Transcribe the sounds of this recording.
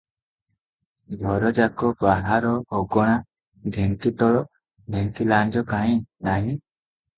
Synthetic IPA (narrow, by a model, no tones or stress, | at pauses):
ɡʱɔɾɔd͡ʒakɔbaɦaɾɔːɡɔɽ̃a | d̪ʱeŋkit̪ɔɭɔ | d̪ʱeŋk̪iland͡ʒɔkaɦĩnaɦĩ